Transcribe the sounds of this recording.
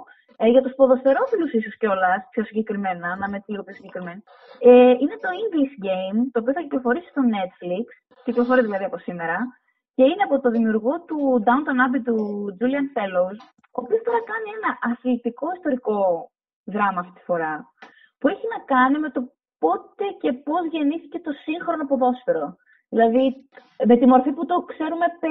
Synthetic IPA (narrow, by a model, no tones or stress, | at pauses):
ʝɐt̪uspo̞ðo̞st̪e̞ɾo̞filusisosceo̞lɐspço̞siɲɟe̞kɾime̞nɐnɐme̞t̪iɾopço̞siɲɟe̞kɾime̞ni | eine̞t̪o̞iŋɡlisɟe̞jmt̪oːpioθɐciplofo̞ɾisi̥st̪o̞ne̞t̪fliks | t̪eklofo̞ɾizðilɐðiɐpo̞sime̞ɾɐ | ce̞ineɐpo̞t̪o̞ðimiuɾɣo̞t̪ud̪ɐunt̪ɐnɐbit̪ud͡ʒuliɐnfe̞lowz | o̞ːpiost̪oɾɐkɐnie̞nɐʔɐθlit̪iko̞ist̪o̞ɾiko̞ | ðɾɐmɐːft̪it̪i̥fo̞ɾɐ | pue̞çinɐkɐnime̞t̪o̞ | po̞t̪e̞ce̞po̞zʝe̞niθice̞t̪o̞siŋxɾo̞nopoðo̞sfeɾo̞ | ðilɐði | me̞t̪imo̞ɾfiput̪o̞kse̞ɾume̞p